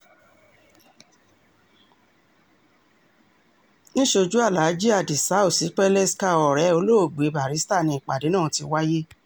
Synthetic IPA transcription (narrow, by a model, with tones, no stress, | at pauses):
nĩ˦ʃo˧d͡ʒu˦a˦˨la˨˦d͡ʒi˦a˨di˨sa˨˦u˦˨si˨˦k͡pɛ˦lɛ˦ska˦˨ɔ˨ɾɛ˨˦o˧˦lo˦o˦˨ɡ͡be˨˦ba˨ɾi˨˦sta˦˨nĩ˧i˨k͡pa̰˨de˨˦nãː˦˨˧ti˧wa˦je˦